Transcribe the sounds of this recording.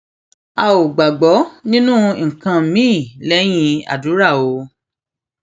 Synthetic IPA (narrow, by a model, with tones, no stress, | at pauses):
a˧o˨ɡ͡ba˨ɡ͡bɔ˨˦nĩ˦nũ˦˨ŋ̩˨kã˧˨mĩː˦˨lɛ˦j̃ĩ˧a̰˨du˨˦ɾa˦˨o˧